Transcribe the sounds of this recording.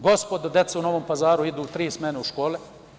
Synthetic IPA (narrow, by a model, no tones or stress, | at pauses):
ɡo̞spod̪ad̪jet̪seuno̞ʋompazaːɾuid̪uːt̪ɾiːsmeneuʃkoːle